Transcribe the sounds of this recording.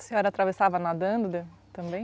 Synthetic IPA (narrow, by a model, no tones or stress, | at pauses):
sẽɔɾɐat̪ɾavesavɐnad̪ɐ̃nd̪d̪et̪ɐ̃mbẽj̃